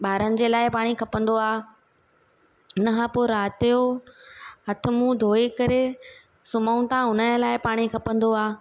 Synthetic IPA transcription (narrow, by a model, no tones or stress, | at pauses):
ɓaːɾənɪ̆d͡ʑeːlaːɪpaːɽ̃ikʰɐpə̃nd̪oaː | nɐɦãpoːɾaːt̪ijo | ɦɐt̪ʰɪ̆mũd̪ʱoːikɐɾe | sʊmaːũt̪ãɦʊnəlaːɪpaːɽ̃ikʰɐpə̃nd̪oaː